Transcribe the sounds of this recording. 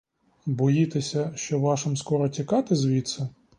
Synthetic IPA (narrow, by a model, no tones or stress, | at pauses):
bɔjit̪esʲɐʃt͡ʃɔʋɑʃɪmskɔɾɔtʲikɑt̪ɪzʋʲit̪sɛ